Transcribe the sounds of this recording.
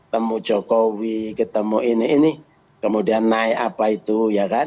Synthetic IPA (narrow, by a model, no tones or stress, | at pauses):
t̪əmut͡ʃɔkɔwikət̪əmuiniini | kəmudianːaɛʔapait̪ujaka